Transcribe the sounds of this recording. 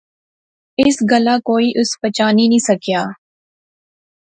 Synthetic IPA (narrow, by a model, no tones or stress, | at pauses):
ɪsɡəlaːkoːiːʔʊspət͡ʃaːninĩːsəkjaː